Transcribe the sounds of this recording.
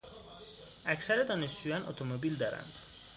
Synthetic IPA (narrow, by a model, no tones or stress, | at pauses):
ʔæcsæɾed̪ɒːneʃd͡ʒuːjɒnʔo̰t̪ʰomobild̪ɒːɾæ̰nd̪̥